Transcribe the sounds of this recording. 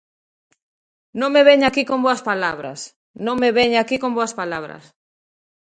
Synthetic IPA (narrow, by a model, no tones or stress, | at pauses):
nõŋmeβeɲakikomboɐspalaβ̞ɾɐ̰s | nõŋmeβeɲakikomboɐaspalaβɾɐ̰s